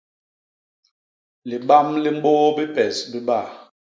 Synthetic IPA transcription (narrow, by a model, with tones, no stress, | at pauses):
li˨ɓa˦mli˦m̩˦bo˦bi˦pɛ˨sbi˦ba˦˨